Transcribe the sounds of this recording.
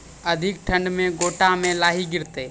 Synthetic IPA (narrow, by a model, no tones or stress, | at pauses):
əd̪ʱɪk̚ʈʰə̃ɳɖmẽɡoːʈamẽlaːɦiɡɪɾt̪eː